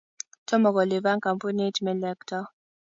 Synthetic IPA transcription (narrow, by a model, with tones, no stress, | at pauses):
tɔ˦mɔ˨kɔ˨li˨βa˦ŋka˨mpu˦ne˦tmɛ˨lɛ˨ktɔ˦